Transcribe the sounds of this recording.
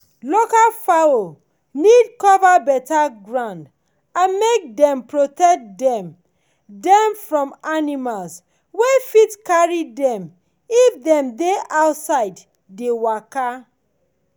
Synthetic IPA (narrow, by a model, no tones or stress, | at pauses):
lokalfao | nidkɔvabɛtaɡɹãnd | ãnmek̚dɛ̃mpɹotɛk̚dɛ̃m | dɛ̃mfɹɔ̃manimals | wefitkaɹidɛ̃m | ifdɛ̃mdeaʊtsaɪdː | ewaka